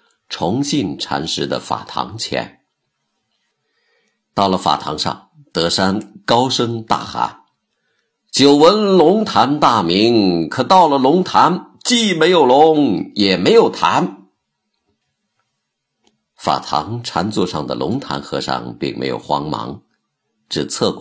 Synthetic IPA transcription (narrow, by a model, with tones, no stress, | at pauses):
ʈ͡ʂʰʊ˧˥ŋɕi˥˩nʈ͡ʂʰa̰˧˥nʂɻ̩˧˥d̪ə̰˧fa̰˨˩t̪ʰɑ̰˧˥ŋt͡ɕʰjɛ̰˧˥n | t̪ɑ˥˩ʊlə˩fa̰˨˩t̪ʰɑ˧˥ŋʂɑ̰˥˧˩ŋ | t̪ɤ˧˥ʂa˥nkɑ˥ʊʂɤ˥ŋt̪a̰˥˩xa̰˧˥n | t͡ɕjo˨˩ʊwə˧˥nlʊ˧˥ŋt̪ʰa˧˥nt̪a˥˩mi˧˥ŋkʰɤ˨˩t̪ɑ˥˩ʊlə˩lʊ˧˥ŋt̪ʰa˧˥n | t͡ɕi˥˩me˧˥ɪjo˨˩ʊlʊ˧˥ŋjɛ˨˩me˧˥ɪjo˨˩ʊt̪ʰa˧˥n | fa̰˨˩t̪ʰɑ̰˧˥ŋʈ͡ʂʰa˧˥nt͡swɔ̰˥˧ʂɑ˥˩ŋd̪ə̰˩lʔʊ̰˧˥ŋt̪ʰa̰˧˥nxɤ̰˧˥ʂɑ̰˥˧ŋpḭ˥˧ŋmḛ˧˥ɪjo̰˨˩ʊxwɑ˧˥ŋmɑ̰˧˥ŋ | ʈ͡ʂ̩˥˩t͡sʰɤ˥˩k